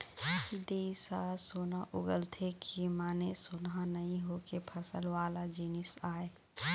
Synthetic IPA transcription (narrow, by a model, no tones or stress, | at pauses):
id̪eːisasoːnaʔʊɡəlt̪ʰekʰimaːnesoːnɦanəɦĩɦoːkepʰɐsəlwaːlad͡ʒinɪsaːe